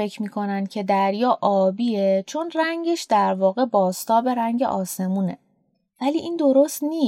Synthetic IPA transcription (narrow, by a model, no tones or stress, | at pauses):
e̞cʰmiːkʰo̞nænd̪̚cʰe̞d̪æɾjɒːʔɒːbiːet͡ʃʰo̞nræɲɟe̞ʃd̪æɾvɒːɣe̞bɒːst̪ʰɒːbe̞ɾæɲɟḛʔɒːse̞muːne̞ | væliːʔind̪o̞ɾo̞st̪niː